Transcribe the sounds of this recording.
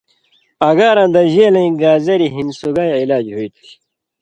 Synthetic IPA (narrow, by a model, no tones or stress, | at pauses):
ɐɡaːɾãːnd̪ɐʑeːlɐ̃ĩɡaːzɐɾiɦinsuɡaːjilaːd͡ʑɦoit̪ʰu̥